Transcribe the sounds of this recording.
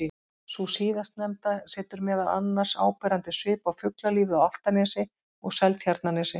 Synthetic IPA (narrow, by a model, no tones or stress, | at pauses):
i | susiːðast̪nɛmt̪asɛːt̪ʏɾmɛːðala̰nːar̥sa̰ːwpɛːɾant̪ɪsʏːpawfʏklaliːvɪawaft̪anɛːsɪ | ɔɣsɛlt̪çjaɾt̪nanɛːsɪ